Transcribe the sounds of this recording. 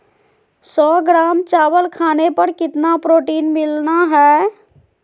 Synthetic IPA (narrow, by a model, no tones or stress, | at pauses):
sɔːɡɾaːmt͡ʃaːwəlkʰaːnepəɾkɪt̪napɾoːʈiːnmɪlnaɦɛː